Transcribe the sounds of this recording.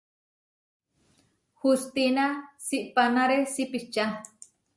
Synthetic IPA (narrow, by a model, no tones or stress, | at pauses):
hust̪inasiʔpanaɾesipit͡ʃa